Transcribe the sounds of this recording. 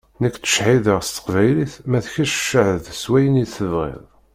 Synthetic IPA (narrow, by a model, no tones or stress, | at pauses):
nəkːt̪ə̥ʃħiðəʁst̪ə̥qvæjliθmæθçæʃʃəʕəðswæjəniθəvʁɪ̰ðˤ